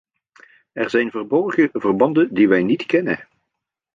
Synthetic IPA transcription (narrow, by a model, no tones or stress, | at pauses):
ɛrzɛjnvərbɔɹχəvərbɑndəndiʋɛjnitkɛnə̰